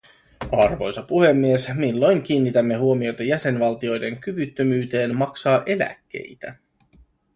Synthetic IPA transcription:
ɑrʋo̞̰jsɑpuhe̞mːie̞smilːo̞jŋk̟iːnːit̪æmːe̞ɦuo̞mio̞jt̪ɑjæse̞nʋɑlt̪io̞jde̞ŋkyʋyt̪ːømyːt̪e̞ːnmɑksɑːʔe̞læ̰kːe̞̰jt̪æ

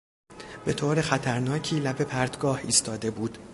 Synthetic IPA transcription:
b̥e̞t̪ʰoːɾe̞xæt̪ʰæɾnɒːcʰiːlæbe̞pʰæɾd̪ɡɒːhiːst̪ʰɒːd̪e̞buːd̪

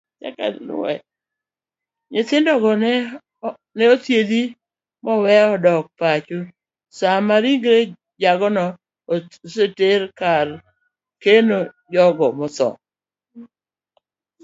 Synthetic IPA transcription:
t͡ʃa̰ka̰l̰ɛ̰ | ɲɪt̪ɪndɔɡɔɛ | nɛot̪jed̪i | mɔwɛɔdɔk̚pat͡ʃu | samaɾiŋɡɾe | d͡ʒaɡɔnɔ | seteɾkar | kenojɔɡɔmɔtɔ̰

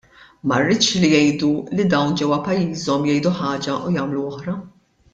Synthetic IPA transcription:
mɐrːɪt̪t͡ʃlijɛjd̪ulid̪ɐwnd͡ʒɛwɐpɐjːiːzɔmjɛjd̪uħɐːd͡ʒɐʔujɐːmluɔħɾɐ

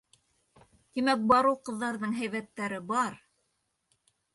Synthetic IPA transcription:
kimæk̚bɑɾɤwqɤ̆ðːɑɾðɤɴɦæjβæt̪ːæɾɘbɑɾ

